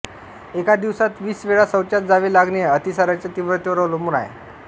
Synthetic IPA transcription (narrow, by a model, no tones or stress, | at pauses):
ekad̪iʋsat̪ʋiːsʋeɭasəwt͡ɕat̪̚d͡zaʋelaɡɳeət̪isaɾat͡ɕat̪iʋɾət̪eʋəɾəlomuɽa̰jḛ